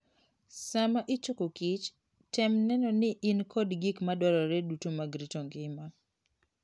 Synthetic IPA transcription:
samaʔɪt͡ʃokokit͡ʃ | tɛmnɛnɔnɪʔinkʰɔdɡikmadwɔɾɔɾɛdutomaɡɾitoŋɡɪma

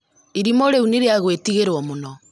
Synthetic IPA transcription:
iɾimɔɾeuniɾeaɣwetiɣeɾwɔmonɔ

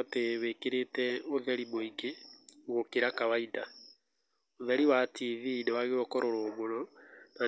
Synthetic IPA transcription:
teβekeɾetɛoðɛɾimoiɡeɣokeɾakaβaida | oðɛɾiwatiðidɔaɣeɾokɔɾoɾoːmonɔna

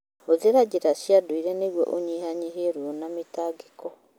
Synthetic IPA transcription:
oðeɾad͡ʑeɾasjadoiɾɛneɡwɔ̰ʔoɲihaɲeɦeɾwɔnametaːɡekɔ

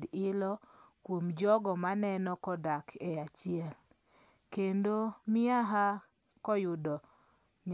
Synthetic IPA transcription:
dɪlɔkwomd͡ʒɔɡɔmanɛnɔkɔdakʰeat͡ʃijɛl | kendomɪaɦa | kɔjʊdɔ | ɲ

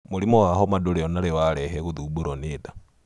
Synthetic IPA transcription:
moɾimɔwaɦɔmadoɾeɔnaɾewaɾɛɦɛɣoðuboɾoneːda

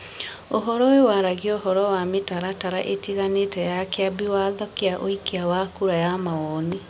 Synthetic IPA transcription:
oɦɔɾɔwewaɾaɣiɔɦɔɾɔwametaɾataɾaʔetiɣanetɛjakeabiwaðɔkeaʔoikiawakuɾajamawɔni

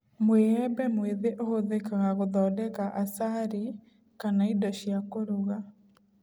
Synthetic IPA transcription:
mweɛbɛmweðeʔohoðekaɣaɣoðɔːdɛkaʔasaɾi | kanaidɔʃjakoɾuɣa

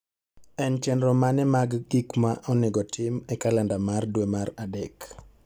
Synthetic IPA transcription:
ɛnt͡ʃɛndɾɔmanɛmaɡɡikmaʔɔnɪɡɔtʰɪmɛkalɛndamardwemaɾadɛk

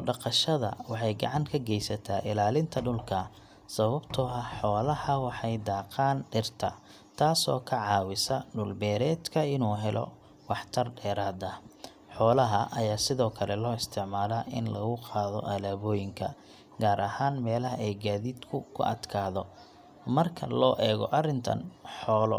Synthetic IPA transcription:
ɖɑqɑʃɐðɐ̰wɑħɑjɡɑ̰ʕɑŋkʰɐɡɛjsɐt̪ʰaːʔɪlaːlɪnt̪ʰɐɖʊlkʰɐ | sɐβɐbt̪ʰɔɐħɔːlɐhɐwɑħɑjd̪aːqɑːnɖɪrt̪ʰɐ | t̪ʰaːsɔ̰ːkʰɐʕɑːwɪsɐɖʊlbɛːɾɛːd̪kʰɐɪnuːɦɛlɔ̰ | wɑħt̪ʰɐrɖɛːɾaːd̪ɐ | ħɔːlɐɦɐʔɐjaːsɪðɔːkʰɐlɛlɔːɪst̪ʰɪʕmaːlaːʔɪ̰nlɐ̰ɣʊqɑːðɔ̰ʔɐlaːβɔːjɪŋkʰɐ | ɡaːɾʔɐhaːnmɛːlɐɦɐɛjɡaːðiːd̪kʰʊkʰʊ̰ʔɐ̰d̪kʰaːðɔ | mɐrkʰɐ̰lɔːʔɛːɣɔ̰ʔɐrɪnt̪ʰɐ̰nħɔːlɔ̰

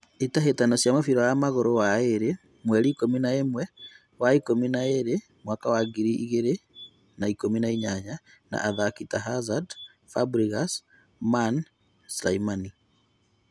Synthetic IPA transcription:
etaɦetanɔsjamofiɾɔjamaɣoɾowaeɾe | mwɛɾiːkominaemwɛ | waikominaeɾe | mwakawaɡiɾiʔiɣeɾe | naikominaiɲaɲa | na̰ʔaðakitaɦazad | fabɾiɣas | man | sla̰imani

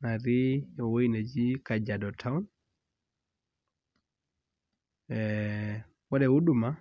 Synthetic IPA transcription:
naɾijɔwoined͡ʒikad͡ʒadɔtʰaun | ɛ | wɔɗɛwuɗuma

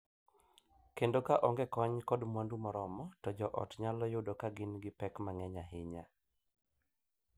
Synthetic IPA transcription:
kendokaʔɔŋɡɛkɔɲkɔdmwandumɔɾɔmɔtɔd͡ʒɔʔɔ̰tɲalɔjodɔkaɡɪnɡɪpɛkmaŋɛɲaɦɪɲa

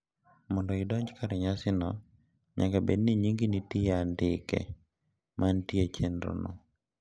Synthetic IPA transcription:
mɔndɔɪdɔɲd͡ʒkaɾɛɲasɪnɔ | ɲa̰kabedniɲiŋɡinitiandɪkɛ̰ | mʔantiet͡ʃenɾo̰no

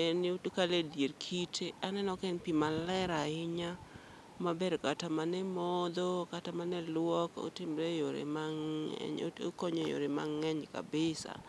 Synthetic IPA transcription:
ɛnutukaledjeɾkʰitʰeanɛnɔkɛnpimalɛɾaɪɲa | mabeɾkatamanɛmɔd̪ɔkatamanɛlwɔko̰tɪmɾejoɾḛmaŋɛ̰ɲokɔɲojo̰ɾema̰ŋːɛɲka̰bɪsa̰

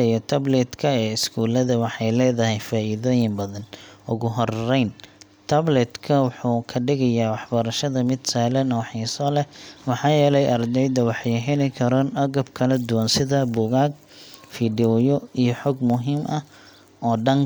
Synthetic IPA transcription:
ɛjɔt̪ʰɐblɛd̪kʰɐɛːɪskʰuːlɐðɐwɑħɑjlɛːðɐɦɛjfaːʔiðɔːjɪmbɐðɐnʔʊɣʊɦɔrːɛjnt̪ʰɐblɛd̪kʰɐwʊħuːkʰɐɖɪɣɐjaːwɑħbɐɾɐʃɐðɐmɪd̪sɐːlɐnɔwħisɔːlɛwɑħɑːjɛːlɛjʔɐrd̪ɛjd̪ɐwɑħɑjɦɛlɪkʰɐɾɔːnɐɣɐbkʰɐlɐd̪ʊwansɪðɐbʊɣaːɡ̚ | fiːɖiɔjɔijɔħɔːɡmʊɦiːmʔɐ | ɔːɖɐŋ

